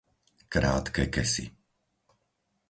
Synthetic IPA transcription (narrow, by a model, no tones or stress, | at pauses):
kɾa̰ːt̪kɛkɛsḭ